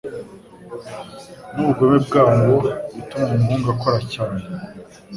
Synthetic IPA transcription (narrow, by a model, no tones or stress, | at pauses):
nuβuɡomeb̚ɡaːŋɡoβitumainuːŋɡakoɾacaːne